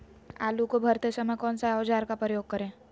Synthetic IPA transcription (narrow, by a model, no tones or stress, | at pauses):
a̰ːlukobʱɐɾt̪esɐməkɔːnsaɐd͡ʒaːɾkapɾəjoːɡ̚kəɾẽː